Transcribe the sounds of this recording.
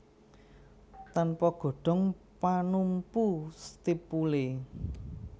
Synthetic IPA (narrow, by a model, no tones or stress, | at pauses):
t̪anpɔɡ̥o̤ɖ̥ɔ̤ŋ | panumpust̪ipule